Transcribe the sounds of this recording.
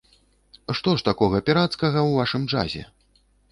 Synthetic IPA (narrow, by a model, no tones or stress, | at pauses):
ʂt̪ɔʂt̪akɔɣɐpʲɛɾat̪skɐɣɐwvaʂɨmd͡ʐa̰zʲɛ̰